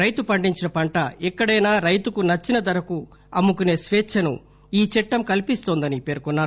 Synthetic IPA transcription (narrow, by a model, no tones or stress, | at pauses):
ɾɐjt̪upɐɳɖiɲt͡ʃinɐpɐɳʈɐɛkːɐɽɐjnaːɾɐjt̪ukunɐt͡ʃːinɐd̪ɐɾɐku | ɐmːukune̞ːsʋeːt͡ʃʰːɐnṵ | iːt͡ʃɛʈːɐmkɐlipist̪oːnd̪ɐnipe̞ːɾkunːaːɾ